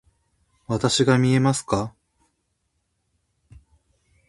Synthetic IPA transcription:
βat̪aɕiɡamʲie̞masɨ̥ka

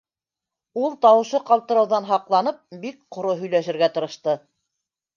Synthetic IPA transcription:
ulˠt̪ɑwɤ̆ʃɤqɑlˠt̪ɤ̆ɾɤ̆wðɑnɦɑqlˠɑnɤp̚bik̚qŏɾoɦɵ̆jlæʃɘ̆ɾɡæt̪ɤ̆ɾɤ̆ʃt̪ɤ

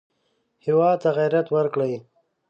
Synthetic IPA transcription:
hɪwɑːd̪̚t̪aɣajɾat̪wəɾkɽaj

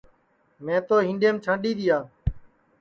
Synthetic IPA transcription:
mɛ̃ːt̪oːɦɪ̃ːɳɖeːmt͡ʃʰãːɗiːd̪ɪjaː

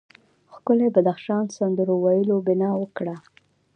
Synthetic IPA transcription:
xkʊlebad̪axʃɑnsand̪əɾowajəlobɪnɑwəkɽa

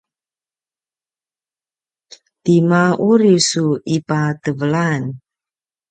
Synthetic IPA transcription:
t̪imauɾisuipat̪əvəlan

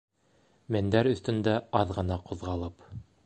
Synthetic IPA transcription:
mæ̆nd̪æɾɵ̆θt̪ɵ̆nd̪æɑðʁɤ̆nɑqŏðʁɑlˠɤp

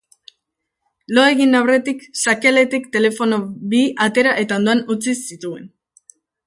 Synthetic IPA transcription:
lo̞e̞ɣinawre̞t̪iksakele̞t̪ikt̪e̞le̞fo̞no̞βiat̪e̞ɾaʔe̞t̪ao̞nd̪oanut͡sisit̪ue̞̰n

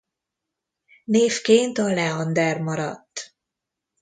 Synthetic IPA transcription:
neːfkeːnt̪ɒlɛɒnd̪ɛrmɒɾɒ̰t̪ː

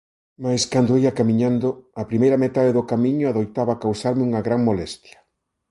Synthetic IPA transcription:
majskand̪oiɐkamiɲãnd̪ʊapɾimejɾɐmet̪aðeðʊkamiɲʊaðojt̪aβakawsaɾmɪuŋɐɣɾaŋmolɛst̪jɐ̥

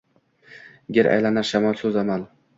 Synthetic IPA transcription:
ɡʲeɾa̰jlanaɾʃamɒlˠsɵzaman

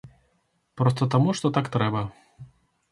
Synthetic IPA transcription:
pɾɔst̪ɐt̪amuʂt̪ɔt̪akt̪ɾɛbɐ

